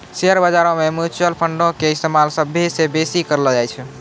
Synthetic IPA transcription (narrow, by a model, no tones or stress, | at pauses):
seəɾbəd͡ʒaɾõmemut͡ʃəlpʰəɳɖõkeist̪emalsəbʱːesebesikəɾld͡ʒajt͡ʃʰ